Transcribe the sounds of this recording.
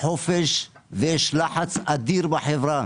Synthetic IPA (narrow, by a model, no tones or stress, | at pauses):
ħofeʃveʃlaħat͡sʔad̪iɾbaħevɾa